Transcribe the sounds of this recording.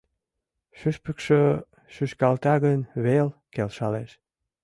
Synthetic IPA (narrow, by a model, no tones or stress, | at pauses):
ʃyʃpəkʃø | ʃyʃkɑlt̪ɑɣənβelkelʃɑleʃ